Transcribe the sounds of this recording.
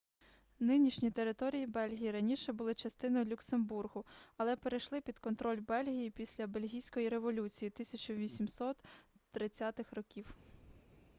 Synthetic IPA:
nɪnʲiʃnʲit̪eɾɪt̪ɔɾʲijibɛlʲɦʲijiɾɐnʲiʃɛbʊlˠɪt͡ʃɐst̪ɪnɔjʊlʲʊksemburɦʊɐlˠɛpeɾejʃlˠɪpʲid̪kɔnt̪ɾɔlʲbɛlʲɦʲijipʲisʲlʲɐbe̞lʲɦʲijsʲkɔjiɾe̞ʋɔlʲut͡sʲijit̪ɪsʲɐt͡ʃʊʋʲisʲimsɔt̪ːɾɪt͡sʲːat̪ɪxrɔkʲiw

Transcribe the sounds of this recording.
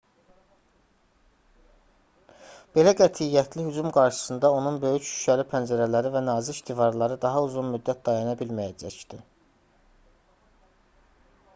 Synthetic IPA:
b̥e̞læɡæt̪ʰijæt̪ʰlihyd͡ʒumɡɑɾʃɯ̥sɯnd̪ɑo̞nunbø̞jyçʃy̥ʃʰæɾipʰænd͡ʒæɾælæɾivænɑːziiʃt̪ʰivɑɾlˠɑɾɯd̪ɑɦɑuzunmyd̪ːæt̪̚d̪ɑjɑnɑbilmæjæd͡ʒæcd̪̥i

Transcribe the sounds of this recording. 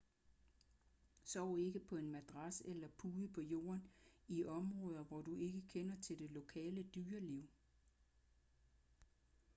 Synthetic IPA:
sɒʊ̰e̝ɡ̥əpʰɒ̽e̝nmæd̥ʁɑsəelɐpʰuːðˠəpʰɒ̽jo̝̰ːɐniʔɒ̽mʁɔ̽ːð̞ˠɐʋɒd̥ue̝ɡ̥əkʰenɐt͡sʰe̝ld̥e̝lo̝kʰɛ̰ːləd̥yːɐliʊ̰

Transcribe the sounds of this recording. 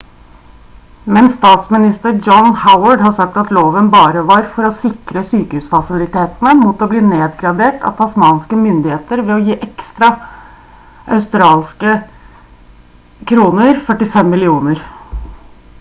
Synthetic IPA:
mɛnst̪ɑːt̪smɪnɪst̪əɾd͡ʒɔnhaʊəɖhɑsɑk̚t̪ɑt̪loːʋənbɑːɾəʋɑɾfɔɾɔsɪkɾəsyːkəhʉːsfɑsɪlɪt̪eːt̪nəmut̪ɔbliːneːd̪ɡɾɑd̪eːʈɑ̰t̪ʰɑsmɑːnskəmʏnd̪ɪheːt̪əɾʋɛɔjiːʔɛkst̪ɾɑ | ʔɑʉst̪ɾɑːlskə | kʰɾuːnəɾfœʈɪfɛmːɪlɪuːnəɾ

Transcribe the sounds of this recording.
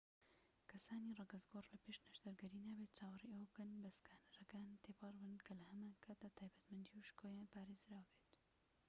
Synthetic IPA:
kʰɐsaːniːrɑɡɐzɡoːrlɐpeʃnɐʃd̪ɐɾɡɐɾiːnaːbeːt̪̚t͡ʃaːwɑriʔowɡɨnbɐskaːnɐɾɐkaːnt̪ʰeːpɑrbɨnkʰɐlɐhɐmaːnkʰaːt̪̚at̪ʰaːjbɐt̪mɐnd̪iuʃkoːjapaːɾeːzɾaːwbeːt̪

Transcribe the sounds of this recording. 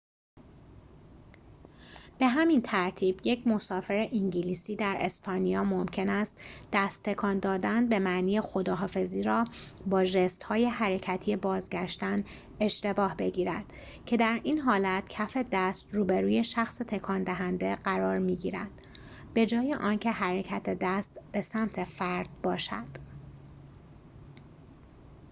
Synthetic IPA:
b̥e̞ɦæmint̪ʰæɾt̪ʰiːb̥je̞cʰmo̞sɒːfe̞ɾeʔiŋɟiliːsiːd̪æɾʔe̞spʰɒːnijɒːmomcʰe̞næst̪d̪̥æst̪ʰːe̞kʰɒːnd̪ɒːd̪ænbe̞mæʔniːjexo̞d̪ɒːɦɒːfe̞ziːɾɒː | bɒːʒest̪hɒːje̞ɦæɾe̞cʰæt̪ʰijebɒːzɟæʃt̪æn | e̞ʃt̪e̞bɒːhbe̞ɟiːɾæd̪̥ | cʰe̞d̪æɾiːnɦɒːlæt̪cʰæfe̞d̪æst̪ɾuːbeɾuːje̞ʃæxset̪ʰe̞kʰɒːnd̪æɦænd̪e̞ɢæɾɒːɾmiːɟḭːɾæ̰d̪̥ | b̥e̞d͡ʒɒːjeʔɒːncʰe̞ɦæɾecʰæt̪ʰed̪æst̪b̥e̞sæmt̪ʰe̞fæɾd̪̥̚bɒːʃæ̰d̪̥

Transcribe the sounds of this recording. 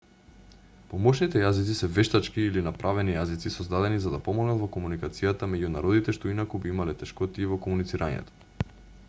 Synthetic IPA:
pomɔʃnit̪ɛjazit̪sisɛvɛʃt̪at͡ʃkiːlinapɾʔavɛnijazit̪sisɔzd̪ad̪ɛnizad̪apɔmɔɡnat̪vɔkomunikat̪sijat̪amɛɟuna̰ɾɔd̪it̪ɛʃt̪oinakubiimalɛt̪ɛʃkɔt̪iɛvɔkomunit̪siɾʔaɲɛ̰t̪o̥

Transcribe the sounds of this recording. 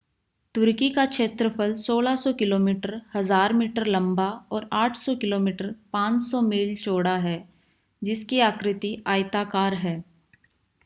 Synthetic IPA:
t̪ʊɾkikakʃeːt̪ɾəpʰəlsoːlasɔkɪloːmiːʈəɾhɐzaːɾmiːʈəɾlɐ̃mbaɔːɾaːʈʰsɔkɪloːmiːʈəɾpãːt͡ʃsɔmiːlt͡ʃoːɽaɦɛː | d͡ʒɪskiaːkɾɪt̪iʔaːjt̪akaːɾɦɛː

